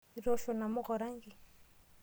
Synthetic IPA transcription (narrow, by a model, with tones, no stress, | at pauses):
iɾɔ˦ʃɔ˨na˨mʊ˦ɣɔ˨ɾa˦ŋɡi˨